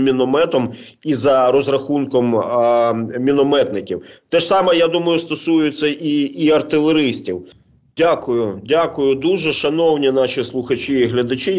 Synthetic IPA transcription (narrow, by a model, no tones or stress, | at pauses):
mʲinɔmɛt̪ɔm | izɐɾɔzɾɐxunkɔm | mʲinɔmɛt̪nɪkʲiwt̪ɛʃsɑmɛjad̪umɐjʊst̪ɔsujʊt͡sʲːɐʔiːɐrt̪ɪlˠeɾɪsʲtʲiw | dʲakʊjʊdʲakʊjʊd̪uʒɛʃɐnɔwnʲinɑʃʲislˠʊxɐt͡ʃiːɦlʲɐd̪ɐt͡ʃi